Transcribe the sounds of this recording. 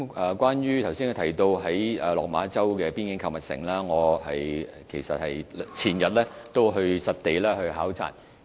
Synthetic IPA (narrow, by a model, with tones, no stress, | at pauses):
ɐː˨kʷaː˥njyː˥t̪ʰɐ˨˩wsiː˥nkːa˨˧˩t̪ʰɐ˨˩jt̪o˧wɦɐ˨˥jɛː˨˩lɔː˨k̚maː˨˥t͡sɐ˥wkɛː˧pi˥nkɪ˨˥ŋkʰɐ˨wmɐ˨t̚sɪ̰˨˩ŋlaː˥ŋɔː˨˧ɦɐ˨j | kʰe˨˩jsɐ̰˨t̚hɐ˨jt͡sʰiː˨˩njɐ˨t̚lɛː˥t̪o˥wɦɵ˧ɥsɐ˨t̚t̪e˨jlɛː˥hɵ˧ɥɦaː˨˥wt͡sʰa̰ː˨˩n